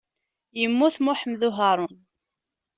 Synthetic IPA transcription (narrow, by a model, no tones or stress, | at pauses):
jəmːuθmʊħəmðuɦaɾˤʊn